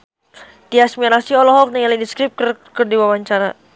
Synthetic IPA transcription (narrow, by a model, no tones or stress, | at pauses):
t̪iasmiaɾasiɔlɔɦɔk̚nɛŋalidiskɾip̚krkərdiwawaɲt͡ʃaɾa